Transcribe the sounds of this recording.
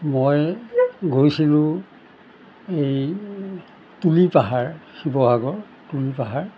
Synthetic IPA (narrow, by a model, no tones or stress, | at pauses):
moj | ɡʱojsilʊ̃ | ej | tulipaɦaɹxibɔɦaɡɔɹ | tulipaɦaɹ